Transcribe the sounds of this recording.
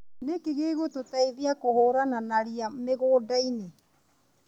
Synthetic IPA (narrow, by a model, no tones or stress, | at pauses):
nekeɣeːɣototaiðiakohoːɾananaɾiameɣoːdaine